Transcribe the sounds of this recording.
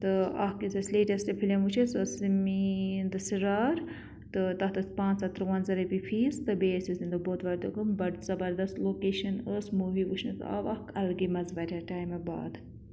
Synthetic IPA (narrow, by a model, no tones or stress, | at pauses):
t̪ɨɐhkisɐsʲleːʈɐst̪epʰilʲemut͡ʃʰisəːsmind̪ɨsiɾaːɾ | t̪ɨt̪ɐht̪ɐsʲpãːnt͡sɐt̪ɾɨwɐnzɐɾɐbifʰiːzt̪ɨbeːsʲisind̪ɨboːt̪ʋɐɾd̪ɨɡɨmbɐɾzɐbɐɾd̪ɐst̪loːkeːʃɐnəːsmuːʋiʋut͡ʃʰnɨt̪ɐ̰ʋɐhkɐlɡimɐzʋɐɾʲɐʈaːjmeba̰ːd̪